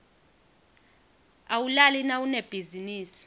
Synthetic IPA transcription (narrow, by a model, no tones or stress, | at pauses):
awulalinawuneb̥ʱiziniːsi̥